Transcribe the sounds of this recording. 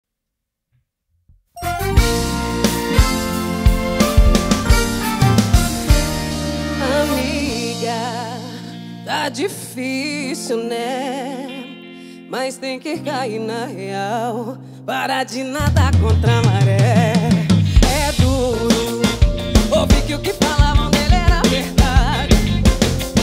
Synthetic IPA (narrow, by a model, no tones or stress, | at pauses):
amiɡɐ | t̪ad͡ʒifisinɛ | majst̪ẽj̃kɪkaiɾnɐheaw | paɾad͡ʒɪnad̪ɐkõnt̪ɾamaɾɛ | ɛd̪uɾʊ | obikɪʊkɪfalavɐ̃w̃d̪elɪɛɾɐveɾd̪ad͡ʒɪ